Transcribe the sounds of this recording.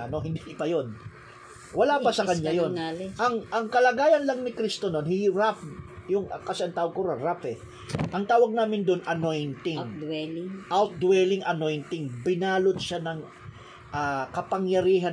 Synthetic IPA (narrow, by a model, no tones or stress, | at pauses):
ɐno̞ɦɪnd̪ipɐjon | wɐlapɐsɐkɐɲjajonʔɐŋʔɐŋkɐlɐɡaːjɐnlɐŋnɪkɾist̪ono̞nhɪhɪɾafjʊŋɐkɐsaɐŋt̪aːwoɡ̚kʊɾaɾafɛ | ʔɐŋt̪aːwɐɡ̚naːmɪnd̪onʔɐno̞jnt̪ɪŋlŋʔawt̪̚d̪wɛlɪŋʔɐno̞jnt̪ɪŋbɪnaːlot̪ʃanɐŋ | ʔakɐpɐŋjɐɾiːɦɐ